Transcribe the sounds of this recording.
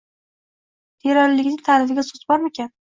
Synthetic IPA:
t̪ʰeɾɒɾlɪɡʲnɪŋʲt̪ʰalɪfɪɡʲasʊt̪bɒɾmekʲan

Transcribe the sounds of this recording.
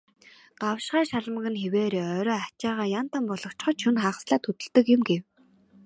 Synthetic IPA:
ɢ̥awʃɢaːʃaɮ̆mə̆ɣɘ̆nxeweːɾeːœːɾɔːat͡ɕaːʁaːjan̥t̪ʰampɔɮɞ̆kt͡ɕχɞ̆t͡ɕʰɵnχaːʁə̆sɮaːt̪ʰːɵt̪ɵ̆ɮt̪ɘ̆kjʊ̆mɡew

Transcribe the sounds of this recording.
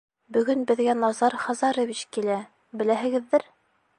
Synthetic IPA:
bɵ̆ɡɵnbɘ̆ðɡænɑzɑɾχɑzɑɾɤ̆βit͡ɕkilæ | bɘ̆læɦɘ̆ɡɘ̆ðːɘɾ

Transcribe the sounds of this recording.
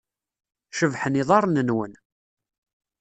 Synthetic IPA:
ʃəvħəniðˤɑɾˤnənwən

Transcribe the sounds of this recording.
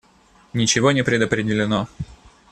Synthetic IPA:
nʲɪt͡ɕɪvonʲɪpɾʲɪd̪əpɾʲɪdʲɪlʲɪno

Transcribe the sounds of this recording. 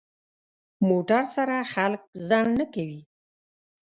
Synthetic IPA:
moʈaɾsaɾaxalk̚zɑnːəkawi

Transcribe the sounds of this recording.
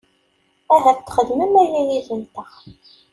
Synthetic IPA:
æɦæft̪ːχəðməmæjæjiðənt̪əʁ

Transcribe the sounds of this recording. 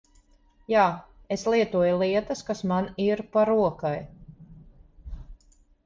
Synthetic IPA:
jaːeslˠiɛt̪uɔjulˠiɛt̪əskasmaniɾpaɾuɔkaj

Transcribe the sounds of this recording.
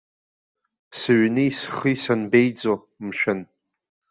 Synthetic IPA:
sɨɥnɨisχɨjsanbejd͡zo | mʃᶣɪn

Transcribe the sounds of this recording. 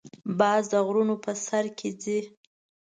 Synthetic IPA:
bɑzd̪əɣɾunopəsaɾkʰed͡zi

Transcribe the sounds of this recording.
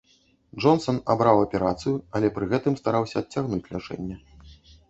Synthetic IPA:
ʐɔnsɔna̰bɾawɐpʲɛɾat̪sɨjuɐlʲɛpɾɨɣɛt̪ɨmst̪aɾawsʲɐːtʲt͡sʲːaɣnut͡sʲlʲat͡ʂɛ̰nʲːɛ

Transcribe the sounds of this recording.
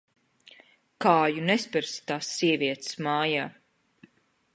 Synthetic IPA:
kaːjunespɨɾst̪aːsːiɛviɛt̪smaːjaː

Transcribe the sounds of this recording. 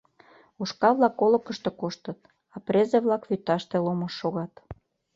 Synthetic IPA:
uʃkɑβlɑkːolə̆kəʃt̪ekoʃt̪ət̪̚ | ɑprezeβlɑkβyt̪ːɑʃt̪eloməʃːoɣɑt̪

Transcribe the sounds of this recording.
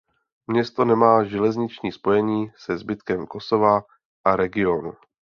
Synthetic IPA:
mɲɛst̪o̞nɛmaːʒɛlɛzɲɪt͡ʃɲiːspo̞jɛɲiːsɛzbɪt̪kɛmko̞so̞va | ʔaɾɛɡɪo̞nṵ

